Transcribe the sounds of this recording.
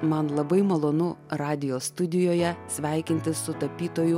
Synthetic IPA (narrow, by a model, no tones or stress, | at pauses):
mɐnlˠɐbɐɪmɐlˠoːnʊɾɑːd̪ʲɪjoːst̪ʊd̪ʲɪjoːjɛsʲʋʲæˑɪkʲɪnʲt̪ʲɪssʊt̪ɐpʲiːt̪oːjʊ